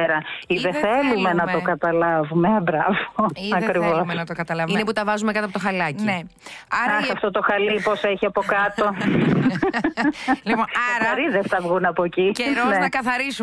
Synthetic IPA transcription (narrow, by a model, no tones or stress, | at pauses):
ɾɐiðeθθelume̞nɐt̪okɐt̪ɐlɐvumebɾɐvoiɐkɾivosmenɐt̪okɐt̪ɐlɐvineput̪ɐvɐzumekɐt̪iɐpot̪xɐlɐcinne | ɐɐsɐft̪ot̪oxɐliposeçiɐpokɐt̪o̞ | liponɐɾɐɾiðest̪ɐvɣunɐpociceɾeɐkɐθɐɾisu